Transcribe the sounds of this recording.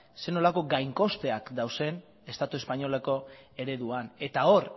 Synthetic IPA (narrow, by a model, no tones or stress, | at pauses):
se̞no̞lako̞ɡajŋko̞st̪e̞akd̪awse̞n | e̞st̪at̪ue̞spaɲo̞lako̞e̞ɾe̞ðuane̞t̪ao̞ɾ